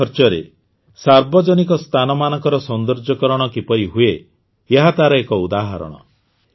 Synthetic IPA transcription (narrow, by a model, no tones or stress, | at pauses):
ɔɾt͡ʃɔɾḛ | saɾbɔd͡ʒɔnik̬ɔst̪ʰanɔmanɔŋkɔɾɔsɔnd̪ɔɾd͡ʒɔkɔɾɔɽ̃ɔkipɔɾiɦue | eɦat̪aɾɔekɔud̪aɦa̰ɾɔ̰ɽ̃ɔ̰